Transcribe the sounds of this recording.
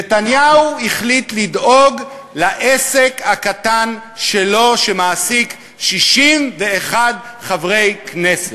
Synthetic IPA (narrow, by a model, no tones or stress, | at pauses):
netanjauiχlit̪lido̞ɡ | laʔesekhakatanʃe̞lo̞ʃemaːsik | ʃiʃimveːχadχavʁe̞jkneset